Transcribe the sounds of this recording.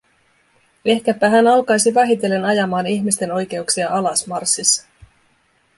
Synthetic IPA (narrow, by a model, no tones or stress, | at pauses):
e̞hkæpːæɦænɑlkɑjsiʋɑɦit̪e̞lːe̞nɑjɑmɑːniçmist̪e̞no̞jk̟e̞uksiɑʔɑlɑsmɑrsːisːɑ̥